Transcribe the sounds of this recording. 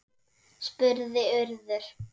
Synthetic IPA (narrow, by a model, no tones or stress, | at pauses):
spʏɾðɪʏɾðʏɾ̥